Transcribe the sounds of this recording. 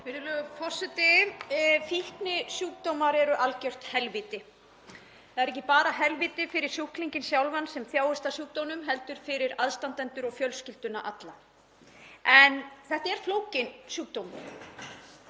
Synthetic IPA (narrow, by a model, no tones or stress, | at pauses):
fɪɾɪlœɣʏfʰɔr̥sɛt̪ɪ | fihknɪsuːk̚t̪owmaɾɛɾʏʔalcœr̥t̪hɛlviːt̪ɪ | θaðɛɾɛhcːɪpaːɾaɦɛlviːt̪ɪfɪɾɪɾ̥suhkliɲcɪnsjawlvansɛmθjaːwʏst̪asuːk̚t̪ownʏmɦɛlt̪ʏɾ̥fɪɾɪɾaðst̪ant̪ɛnt̪ʏɾɔɣfjœlscɪlt̪ʏnːaʔat̪la | ɛnθɛht̪aɛɾ̥floːwcɪnsuːk̚t̪owmɪn